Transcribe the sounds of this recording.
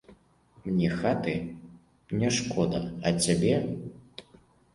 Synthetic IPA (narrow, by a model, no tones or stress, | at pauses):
mnʲɛxat̪ɨ | nʲɛʂkʰɔd̪ɐɐt͡sʲabʲɛ